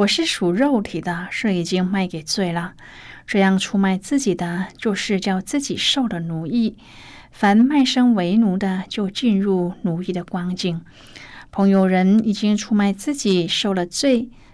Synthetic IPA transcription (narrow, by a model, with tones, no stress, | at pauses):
wɔ˨˩ʂɻ̩˥˩ʂu˨˩ɻo˥˩ʊt̪ʰi˨˩d̪ə˦ʂɻ̩˥˩i˨˩t͡ɕi˥ŋma˥˩ɪke˨˩ɪt͡swe˥˩ɪlə˩ | ʈ͡ʂɤ˥˧jɑ˥˩ŋʈ͡ʂʰu˥ma˥˧ɪt͡sɹ̩˥˩t͡ɕi˨˩d̪ə˦t͡ɕjo˥˧ʊʂɻ̩˥˧t͡ɕjɑ˥˧ʊt͡sɹ̩˥˩t͡ɕi˨˩ʂo˥˩ʊd̪ə˩nu˧˥i˥˩ | fa˧˥nma˥˩ɪʂɤ˥ŋwe˧˥ɪnu˧˥d̪ə˧t͡ɕjo˥˧ʊt͡ɕi˥˧nɻu˥˩nu˧˥li˥˩d̪ə˩kwɑ˥ŋt͡ɕi˥˩ŋ | pʰɤ˧˥ŋjo˧ʊɻə˧˥ni˨˩t͡ɕi˥ŋʈ͡ʂʰu˥ma˥˧ɪt͡sɹ̩˥˩t͡ɕi˨˩ʂo˥˩ʊlə˩t͡swe˥˩ɪ